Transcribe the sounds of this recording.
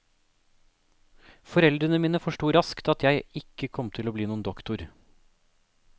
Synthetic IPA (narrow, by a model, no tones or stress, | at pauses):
fɔɾɛld̪ɾənəmiːnəfɔʃʈuːɾɑskt̪ɑt̪jæɪɪkːəkʰɔmt̪ʰɪloːbliːnuːənd̪ɔkt̪ʊɾ